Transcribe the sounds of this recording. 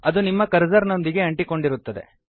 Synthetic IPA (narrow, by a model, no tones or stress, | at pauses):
ɐd̪unimːɐkɐɾd͡ʒɐɾno̞nd̪iɡe̞ɐɳʈiko̞ɳɖiɾut̪ːɐd̪e̞̰